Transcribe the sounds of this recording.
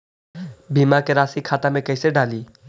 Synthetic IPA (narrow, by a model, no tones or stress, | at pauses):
bimakeɾasikʰat̪amẽkəɪseɖali